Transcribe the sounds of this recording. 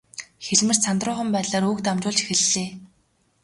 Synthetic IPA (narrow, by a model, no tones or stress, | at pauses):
xeɮmɘ̆r̥t͡sʰant̪rʊːχə̆mpæːt̪ɮaːɾuːkt̪amt͡ɕʊːɮt͡ɕi̥xɘ̆ɮːeː